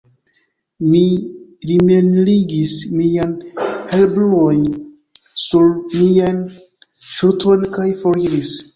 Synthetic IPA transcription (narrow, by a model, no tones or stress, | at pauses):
miɾimenliɡismianhelbluojn | suɾmian | ʃuɾtʰo̞jnkajfoɾiɾis